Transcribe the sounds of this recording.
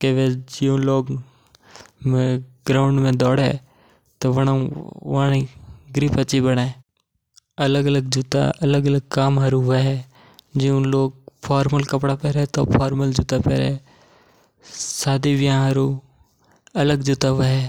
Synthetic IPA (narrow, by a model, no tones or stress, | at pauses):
keʋed͡ʒijõloːɡ | mẽɡɾaːʊɳɖmẽd̪ɔːɽɛ̰ː | t̪oʋənaʋaniɡɾiːpət͡ʃibəɽaːẽː | ələɡələɡ̚d͡ʒut̪a̰ʔələɡələɡ̚kaːmɦəɾuʋəɦɛː | d͡ʒiõloːɡ̚pʰaːɾməlkəpɽapɛːɾɛːt̪oːpʰaːɾməld͡ʒut̪apɛ̰ːɾɛː | saːd̪iʋɪjãːɦəɾuː | ələɡd͡ʒuːt̪aʋəɦɛː